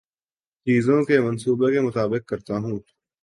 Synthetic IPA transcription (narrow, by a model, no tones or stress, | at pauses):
t͡ʃiːzõkemɐnsuːbekemʊt̪aːbɪq̚ːɐɾt̪aɦũː